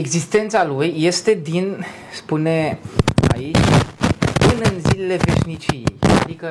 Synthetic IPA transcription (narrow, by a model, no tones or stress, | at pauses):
eɡzist̪e̞nt̪salujːe̞st̪e̞d̪in | spunea̰it͡ʃʲpɨnɨnzilele̞ve̞̰ʃnit͡ʃiḛja̰d̪ikə